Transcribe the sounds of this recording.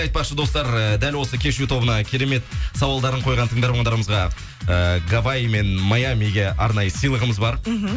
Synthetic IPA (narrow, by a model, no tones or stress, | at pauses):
ɑjt̪̚pɑqʃəd̪o̞st̪ɑɾəd̪ælwo̞səkʲʰe̞ʃut̪ʰo̞bənɑkʲʰe̞ɾe̞me̞t̪sɑwɑlˠd̪ɑɾəɴqʰo̞jʁɑnt̪ʰəŋd̪ɑɾmɑɴd̪ɑɾəməzʁɑ | əɡavame̞nmajamiɡʲe̞ʔɑɾnɑjəsijlˠəʁəməzbɑɾ